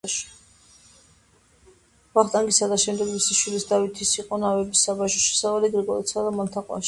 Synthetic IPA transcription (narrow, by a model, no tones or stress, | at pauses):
vaχt̪ʼaŋɡisad̪aʃɛmd̪ɛɡmisiʃwilisd̪avit̪ʰisiqʼɔnavɛbisabaʃɔʃɛ̥savaliɡɾɛɡɔlɛt̪sʰad̪amalt̪ʰaqʼwa̰ʃi